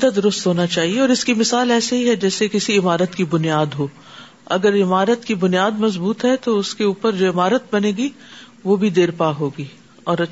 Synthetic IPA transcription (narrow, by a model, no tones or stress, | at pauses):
d̪ad̪ʊɾʊst̪ɦoːnat͡ʃaːɦieɔːɾɪskimɪsaːlɛːsaɦiɦɛd͡ʒɛːsekɪsiɪmaːɾət̪kibʊnijaːd̪ɦoː | ɐ̰ɡəɾɪmaːɾət̪kibʊnijaːd̪mɐzbuːt̪ɦɛt̪oʊskeuːpəɾd͡ʒoːɪmaːɾət̪̚bɐneːɡiʋobʱid̪eːɾpaːɦoːɡiː | ɔːɾɐ